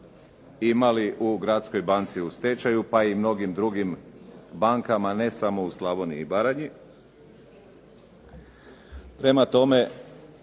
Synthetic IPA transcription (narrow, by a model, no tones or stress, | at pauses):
imaliʔuɡɾat̪sko̞jbant̪siust̪et͡ʃajupaimno̞ɡimd̪ɾuɡimbaŋkamane̞samo̞uslˠaboniːbaɾaɲi | pɾe̞mat̪o̞me̞